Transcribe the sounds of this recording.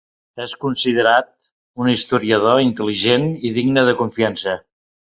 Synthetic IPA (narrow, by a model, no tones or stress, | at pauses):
ɛskunsiðəɾat̪̚ | unist̪uɾiəðoint̪əliʒeniðiɡnəðəkuɱfiansə